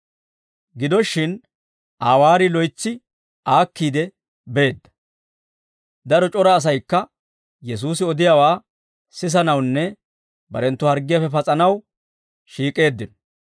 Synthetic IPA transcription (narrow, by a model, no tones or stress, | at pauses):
ɡɪd̪ɔʃːɪn | ʔaːwaːɾɪlɔjt͡sːɪ | aːkːiːd̪ɛ | be̞ːd̪ːɐ̥ | d̪ɐɾɔt͡ʃʼɔɾɐːs̬ɐjkːɐ | jɛs̬uːsɪɔd̪ɪjawaː | sɪs̬ɐnɐwnːɛ | bɐɾɛnt̪ːʊhɐɾɡɪjɐfɛpɐt͡sʼɐnɐw | ʃiːkʼe̞ːd̪ːɪnɔ̥